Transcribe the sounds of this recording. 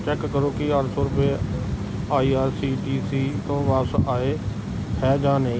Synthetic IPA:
t͡ʃɛːkːəɾoːkɪaːɾsɔːɾʊpe | aːiːaːɾsiːd͡ʒiːsiːt̪õːʋaːsaːeː | hɛːd͡ʒãːnẽĩ

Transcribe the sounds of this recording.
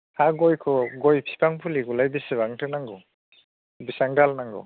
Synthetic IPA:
haɡɔjkʰɔɡɔjpʰi̥pʰaŋpʰuliɡulajbisebaŋtʰɯnaŋɡɔ | bisaŋdalnaŋɡɔ̰

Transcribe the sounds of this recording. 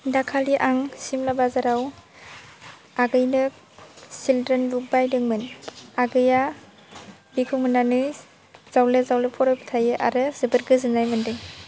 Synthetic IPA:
dakʰaliʔaŋsimlabazaɾaw | aɡɯjnɯ | sildɾenbuk̚bajdɯŋmɯnaɡɯja | bikʰɯmɯnːanɯ | z̥awlezawlepʰɔɾɔjpʰi̥tʰajɯʔa̰ɾɯzɯbɯɾɡɯzɯnajmɯndɯŋ

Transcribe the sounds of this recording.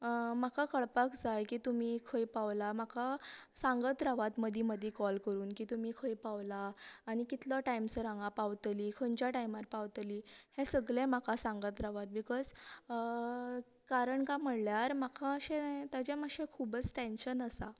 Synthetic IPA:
makakəɭpakd͡zajkiːt̪umiːkʰəjpaʋlamakasãŋɡət̪ɾaʋat̪məd̪ʱiməd̪ʱikɔlkəɾuːnkiːt̪umiːkʰəjpaʋlaːñikit̪laʈajmsəɾãŋɡapaʋt̪liːkʰont͡ɕjaʈajmaɾpaʋt̪liːhẽsəɡɭẽmakasãŋɡət̪ɾaʋat̪̚bikɔz | kaɾəɳkaməɽljaɾmakʰaəɕẽt̪jat͡ɕẽməɕẽkʰubət͡sʈẽnɕənəsa̰

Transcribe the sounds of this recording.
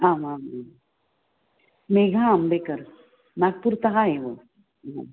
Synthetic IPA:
aːmaːmaːm | meɡʱaːmbekəɾ | nak̚puɾt̪ɐɦaɦeʋo | am

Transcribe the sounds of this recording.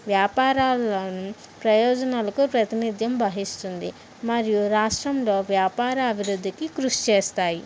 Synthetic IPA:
ʋjaːpaːɾaːlɐnu | pɾɐjɔːd͡ʒɐnaːlɐkupɾɐt̪inid̪ʱjɐmbɐɦist̪und̪ḭ | mɐɾijuɾaːʂʈɾɐmlo̞ːʋjaːpaːɾɐːbʱiɾud̪ʱːikikɾuʂt͡ʃeːst̪aːji

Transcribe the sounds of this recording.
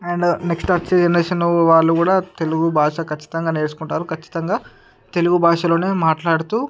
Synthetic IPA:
ɐɳɖneksʈɐt͡ʃed͡ʒɐnɐʃɐnuʋaːlːukuːɽaːt̪e̞luɡubʱaːʂɐkɐt͡ʃːi̥t̪ɐŋɡaːne̞ːɾsu̥kuɳʈaːɾukʰɐt͡ʃːi̥t̪ɐŋɡaː | t̪e̞luɡubʱaːʂɐlo̞ːne̞ːmaːʈlaːɽut̪uː

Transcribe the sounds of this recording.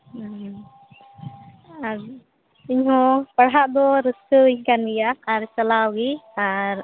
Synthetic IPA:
aɾ | iɲɦɔ̃paɽɦaʔd̪ɔɾəskəiɲkandijaːɾt͡ʃalawɡiaɾ

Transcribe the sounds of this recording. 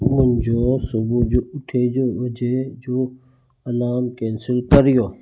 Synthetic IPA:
mʊnd͡ʒoːsʊbud͡ʒoʊʈʰeːd͡ʒoʋɐd͡ʒed͡ʒoː | ɐnaːmkẽːnsɪlkəɾɪjoː

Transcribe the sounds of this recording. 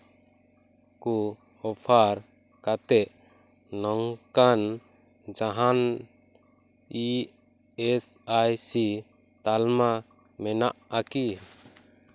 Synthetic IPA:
ku | ɔpʰaɾ | kat̪ɛʔː | ɔŋkan | d͡ʒaɦan | i | ɛsajsi | t̪alma | mɛnaʔaki

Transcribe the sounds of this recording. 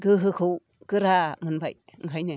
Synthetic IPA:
ɡɯɦɯkʰɯw | ɡɯɾamɯnbaj | ŋɦʰajne

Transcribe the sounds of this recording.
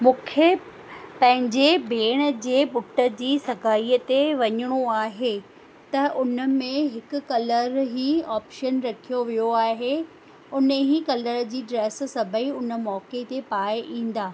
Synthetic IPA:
mũːkʰe | pɐ̃ɦɪ̃ɲd͡ʑebʱeːɽ̃əd͡ʑeːɓʊʈə̆d͡ʑiːsɐɡʱaːiːət̪eʋɐɲəɽ̃uaːɦe | t̪ɐʔʊnə̆mẽɦɪkʊ̆kɐləɾɦiːaːpʃənɾɐkʰijoʋijoaːɦe | ʊnəɦiːkɐləɾd͡ʑiːɖɾeːs̆sɐbʱəiʊnə̆mɔːket̪epaːɪʔĩːn̆d̪aː

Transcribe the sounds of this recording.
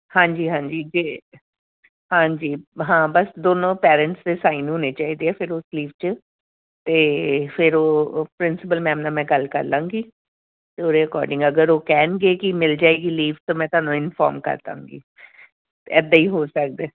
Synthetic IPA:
hãːɲd͡ʒiːɦãːɲd͡ʒiːd͡ʒeː | ɦãːɲd͡ʒiːɦãːbəsd̪oːnõːpɛːɾə̃ɳʈsd̪eːsaːinɦoːneːt͡ʃaːiːd̪eːɛːpʰɪɾosliːʋt͡ʃə | t̪eːfʰɪɾoːpɾɪnsɪpəlmɛ̃ːmnãːmɛ̃ːɡəlkə̰ɾlãːŋɡiː | t̪eːoːɾeəkɔ̰ːɾɖɪ̃ŋɡəɡəɾoːkɛːnɡeːkɪmɪld͡ʒaːeːɡiːliːʋt̪oːmɛ̃ːt̪ʊaːnũːɪnfʰɔ̰ːɾmkə̰ɾd̪ã̰ːŋɡḭː | t̪eɛːd̪aːiːɦoːsək̚d̪eː

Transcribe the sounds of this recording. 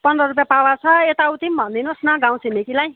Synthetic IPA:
pʌnd̪rʌrup̬japawat͡sʰʌet̪aut̪imbʱʌnd̪inosnʌɡãw̃simikilaj

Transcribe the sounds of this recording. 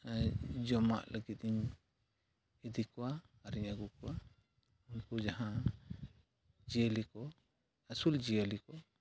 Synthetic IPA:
d͡ʒɔma̰ʔləɡit̪̚ˀiɲ | id̪ikɔwaː | ɾiɲaɡukɔwa | unkud͡ʒaɦã | d͡ʒiəlikɔ | asuld͡ʒijəlikɔ

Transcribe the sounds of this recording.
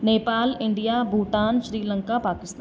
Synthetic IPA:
neːpaːlɪ̃ɳɖijabʱuːʈaːnʃɾiːlə̃ŋkapaːkɪst̪

